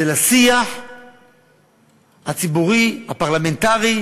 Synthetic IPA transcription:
elasiaħ | hat͡sibuʁihapaʁlamentaʁi

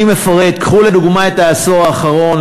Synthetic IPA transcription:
imefaʁet̪kχuled̪uɡmaet̪aːso̞ʁaːχaʁo̞n

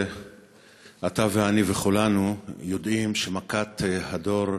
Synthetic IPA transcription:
at̪aveaniveχulanujo̞d̪ʔimʃemakat̪hado̞ɾ

